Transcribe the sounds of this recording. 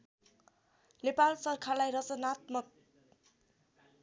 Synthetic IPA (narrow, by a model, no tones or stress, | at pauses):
nepalsʌrkʰalajrʌt͡sʌnat̪mʌk̚